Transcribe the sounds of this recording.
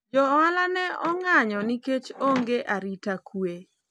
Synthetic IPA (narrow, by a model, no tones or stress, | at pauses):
d͡ʒɔalanɛʔɔŋaɲɔniket͡ʃoŋɡeʔaɾitakwe